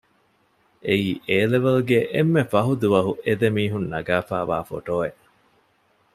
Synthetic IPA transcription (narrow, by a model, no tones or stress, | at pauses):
ʔeiːʔeːleʋeluɡeʔemːefɐɦud̪uʋɐɦuʔed̪emiːɦunːɐɡaːfa̰ːʋa̰ːfo̰ʈoːeʔ